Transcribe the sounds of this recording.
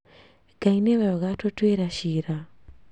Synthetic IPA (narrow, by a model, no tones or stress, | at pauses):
ɡaineβajɔɣatotweɾaʃiɾa